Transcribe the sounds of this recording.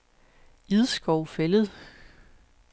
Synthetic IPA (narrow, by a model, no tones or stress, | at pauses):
iðˠsɡ̥ɒʊfeləð̞̩ˠ